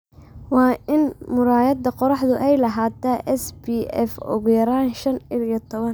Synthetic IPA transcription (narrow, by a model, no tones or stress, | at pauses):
wɑːɪnmʊɾaːjɐd̪ɐqɔɾɑħd̪ʊʔɛjlɐɦaːt̪aːʔɛsbiɛfʊ̰ɣʊjɐɾaːnʃɐnɪlɪjɐt̪ʰɔβɐn